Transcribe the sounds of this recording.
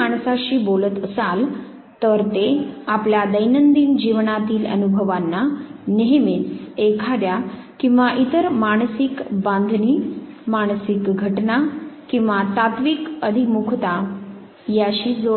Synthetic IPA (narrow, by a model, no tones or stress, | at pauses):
aɳ̃saɕiːbolət̪əsal | t̪əɾt̪eapljad̪əjnənd̪iːnd͡ʑiʋɳat̪iːlə̰nubʱəʋanːaneɦmit͡s̪ekʰaɾja | kĩw̃ʋaʔit̪əɾmaɳ̃sikbãnd̪ʱniː | maɳ̃sikɡʱəʈnakĩw̃ʋat̪at̪ʋikəd̪ʱimukʰt̪a | jaɕiːd͡zo